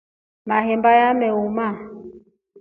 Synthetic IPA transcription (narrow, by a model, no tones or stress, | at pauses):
maɦɛmbajamɛuma